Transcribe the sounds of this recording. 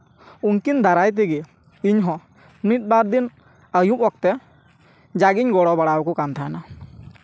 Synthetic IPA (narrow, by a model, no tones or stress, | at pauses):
unkind̪aɾajt̪̬ɛɡɛ | iɲɦɔ̃ | mit̪̚ˀbaɾd̪in | əjuʔɔk̚t̪ɛ | d͡ʒaɡiɲɡɔɽɔbaɽawkɔkamt̪ʰana